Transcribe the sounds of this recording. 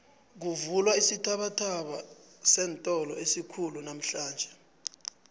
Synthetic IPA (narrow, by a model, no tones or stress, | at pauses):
k̬uvulwaisitʰaɓatʰaɓa | sɛːntʼɔlɔesikʰulunam̩ɬaːnd͡ʒʱɛ